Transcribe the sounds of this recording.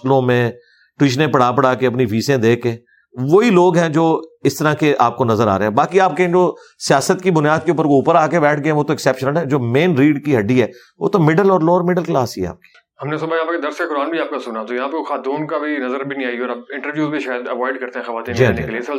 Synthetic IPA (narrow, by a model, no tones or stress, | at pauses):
lõmẽ | ʈwɪːʃnẽpɐɽaːpəɽaːkeɐpniʋʱiːsẽd̪eːkːeː | ʋoiloːɡɦɛ̃d͡ʒoːɪst̪əɾakeʔaːp̚konɐzəɾaːɾeɦɛ̃baːkiaːp̚ked͡ʒoː | sɪjaːsət̪kibʊnjaːd̪̚keuʊpəɾkouːpəɾaːkebɛːʈʰɡɐẽʋoːt̪oɪksɛːpʃənəlɦɛ̃ːd͡ʒoːmeːnɾiːɖkiɦɐɖiɦɛː | ʋo̰ːt̪omɪɖəlɔːɾlɔːɾmɪɖəlklaːsɦiɛa̰ːp̚ki̥ː | ɦɐmnes̬ʊbajãːpked̪ɐɾskekʊɾaːnbʱiaːp̚kasʊnat̪ojɐɦãːpexaːt̪ũːnkabʱinɐzəɾbʱinĩaːiɔːɾaːp̚ɪ̃ɳʈəɾʋjuːzbʱiʃaːjəd̪ɐʋɔːɪɖkɐɾt̪eɦɛ̃xɐʋaːt̪iːnd͡ʒnekelieɪs